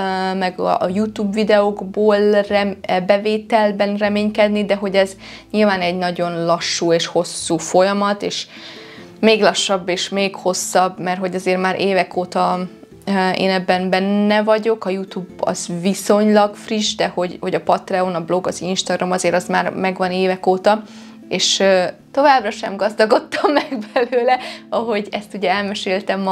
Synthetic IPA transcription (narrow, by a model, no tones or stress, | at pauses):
mɛɡ̰jut̪uːbvid̪ɛoɡboːlrɛbɛveːt̪ɛlbɛnrɛmeːɲkɛd̪nid̪ɛɦo̞ɟɛz | ɲilvaːnɛɟnɒɟo̞nlɒʃːuːeːʃho̞sːuːfo̞jɒmɒt̪eːʃ | meːɡlɒʃːɒbːeːʃmeːkho̞sːɒbmɛrɦo̞ɟɒzeːrmaːɾʔeːvɛkʰoːt̪ɒ | ḛːnɛbːɛnbɛnːɛvɒɟo̞kɒjut̪uːbɒ̰zviso̞ɲlɒɡfriʒd̪ɛho̞ɟho̞ɟɒpɒt̪rɛonɒblo̞ɡɒzinʃt̪ɒɡrɒmɒzeːɾɒzmaːrmɛɡʋɒneːvɛkoːt̪ɒ | eːʃøt̪o̞vaːbrɒʃɛ̰mɡɒzd̪ɒɡo̞t̪ːɒmːɛɡbɛløːlɛɒɦo̞ɟɛst̪uɟɛɛlmɛʃeːlt̪ɛmː